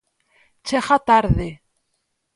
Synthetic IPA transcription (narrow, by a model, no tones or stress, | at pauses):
t͡ʃeχat̪aɾðe